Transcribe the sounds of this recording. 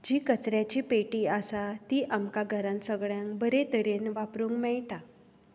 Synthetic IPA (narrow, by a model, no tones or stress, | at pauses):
d͡ʑiːkət͡sɾjat͡ɕiːpeʈiːasat̪iːʔamkaɡʱəɾãnsəɡɭjãŋkbəɾet̪əɾenʋapɾuːŋkmɛɭʈa